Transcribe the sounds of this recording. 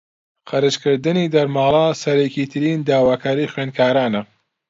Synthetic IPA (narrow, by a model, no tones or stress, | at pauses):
qɐɾɨt͡ʃkɨɾd̪ɨniːd̪ɐɾmaːlˠɑsɐɾekiːt̪ʰɨɾiːnd̪aːwaːkʰaːɾixweːnkʰaːɾaːnɐ